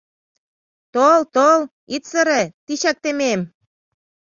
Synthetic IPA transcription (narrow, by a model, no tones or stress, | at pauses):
t̪olt̪ol | it̪sɤ̆ɾĕt̪iɕæk̚t̪emem